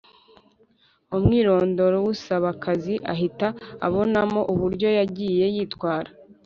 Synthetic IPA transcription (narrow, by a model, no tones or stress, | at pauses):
omŋiːɾo̞ːndo̞ɾowusaβakaziʔa̰ɦita̰ːβo̞namo̞ʔuβuɾɟo̞jaɟiːje̞jiːtwaːɾa